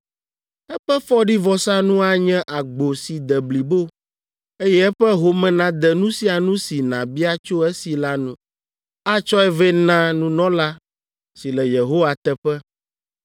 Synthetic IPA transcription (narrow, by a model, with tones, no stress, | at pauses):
ɛ˦ɸɛ˦fɔ˦ɖi˦vɔ˨sa˦nũ˦a˦ɲɛ̃˦ʔa˨ɡ͡bo˨si˨d̪ɛ˨bli˨bo˦ | e˦jɛ˦ɛ˦ɸɛ˦ɦo˨mɛ̃˨nã˨d̪ɛ˨nũ˦si˦a˨nũ˦si˨nã˨bi˦a˦t͡ʃo˦e˦si˨la˦nũ˦ | a˦t͡ʃɔ˦ɛ˦vɛ˦nã˦nũ˦nɔ̃˦la˦ | si˨lɛ˨je˨ɦo˦wa˨t̪ɛ˦ɸɛ˦